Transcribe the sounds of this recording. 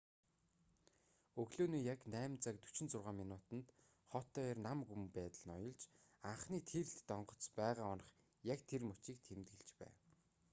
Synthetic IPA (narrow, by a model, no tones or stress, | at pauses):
ɵɣɮoːniːjaknæːmt͡sak̚t̪ɵ̥t͡ɕɪ̆nt͡sʊrʁaːminʊːt̪ə̆nt̪ | χɔt̪ːœːrnamɡumpæːt̪ə̆ɮnɔ̰jɞ̆ɮt͡ɕaɴχniːt̪ʰeɬt̪ːɔɴɢɞ̆t͡spæːʁaːɔnɞ̆χ | jakt̪ʰermɵt͡ɕiːk̚t̪ʰemt̪ɡĕɮt͡ɕpæ̰ːw